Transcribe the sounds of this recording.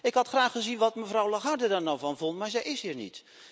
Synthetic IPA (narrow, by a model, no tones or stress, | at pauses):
ɪkɦɑtχraːχəzinʋɑtməvrɔwlaχardədarnɔwvɔnvɔntmaːɹzɛjɪshiːɹnḭt